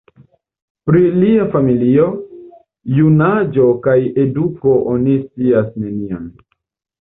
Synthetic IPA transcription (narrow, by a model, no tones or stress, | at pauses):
pɾiliafamilio̞ | junad͡ʒo̞kaje̞duko̞ʔonist͡siasne̞nian